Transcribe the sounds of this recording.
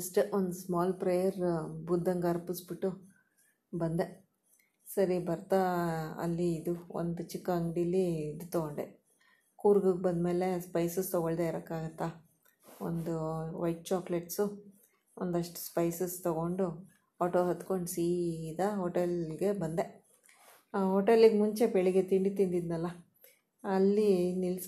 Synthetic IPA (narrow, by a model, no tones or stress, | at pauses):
ɐsʈond̪usmaːlpɾejɐɾbud̪ʱːɐŋɡɐɾpisbiʈːu | bɐnd̪e | sɐɾibɐɾt̪aɐ̰lːiːd̪uo̰nd̪ut͡ʃikːɐɐŋɡɖiɐlːiid̪ut̪ɔɡoɳɖe | kuːɾɡɐɡbɐnd̪me̞ːle̞spɐjsɐst̪ɔɡoɭd̪eiɾɐkːaːɡɐt̪ːa | o̰nd̪uʋɐjʈ̚t͡ʃaːkleʈsu | ond̪ɐʂʈu̥spɐjsɐst̪ɐɡo̞ɳɖu | aːʈoːɦɐt̪ko̞ɳɖsiːd̪ɐɦoːʈelɡe̞bɐnd̪e̞ | ɦoːʈelːiɡemuɲt͡ʃe̞beɭiɡe̞t̪iɳɖit̪ind̪id̪nɐlːɐ | ɐlːinils